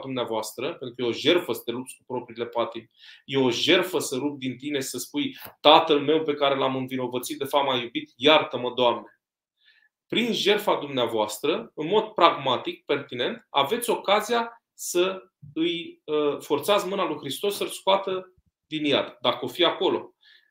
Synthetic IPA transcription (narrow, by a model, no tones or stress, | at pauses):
d̪umneavoast̪ɾəpe̞nt̪ɾukəjo̞ʒe̞rfəsə̥t̪e̞lup̚t̪sʲk̚u̥pɾo̞pɾiːle̞pat̪imʲ | je̞o̞ʒe̞rfəsəɾub̚d̪int̪ine̞i̥səspujt̪at̪əlme̞wpe̞kaɾe̞lamɨnvino̞vət̪sit̪̚d̪e̞famajubit̪jart̪əməd̪oamne̞ | pɾinʒe̞rfad̪umneavoast̪ɾəɨnmo̞d̪̚pɾaɡmat̪ik̚pe̞rt̪ine̞nt̪ave̞t̪sʲo̞kazija | sə | ɨjəfo̞rt̪sat̪smɨnalujxɾist̪o̞sːəlskoat̪ə | d̪injad̪d̪akəo̞fijako̞lo̞̰